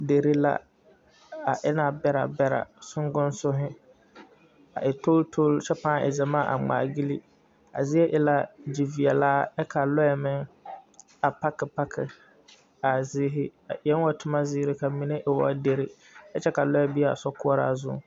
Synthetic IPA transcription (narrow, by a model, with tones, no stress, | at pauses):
de˨ɾe˦la̰˦ | a˨ʔɪ˦na˨bɛ˦ɾa̰˨bɛ˦ɾa̰˨sʊ˦ŋɡʊ˦nsʊ˦ɦɪ˦ | a˨ʔɪ˨to˦ltʰo˦lt͡ʃɛ˦pãː˦˨ʔɪ̰˨zɛ˨maː˦˨ʔa̰˨ŋ͡ma̰ː˨ɡi˦li˦ | a̰˨zɪ˦ɛ˦ʔɪ˨la˦d͡ʒi˨vi˨ɛ˨laː˦ɛ˦kʰa˨lɔ˦ɛ˨mɪ˦ŋ | a˨pa˦kɪ˨pa˦kʰɪ˨ | a˨zɪː˦ɦɪ˦a˨ɛ˦n˦wa˦tʰʊ˦ma˦zɪː˦ɾɪ˦ka˨mi˨ne˦ʔɪ˨wa˦de˨ɾi˦ | ɛ˦t͡ʃɛ˦ka˨lɔ˦ɛ˦bi˦˨a̰˨sɔ˦kʊ˦ɔ˦ɾa̰ː˦zʊ̰˦